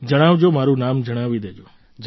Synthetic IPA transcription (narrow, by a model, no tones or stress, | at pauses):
d͡ʒəɽ̃aʋd͡ʒomaɾũnamd͡ʒəɽ̃aʋid̪ed͡ʒo | d͡ʒ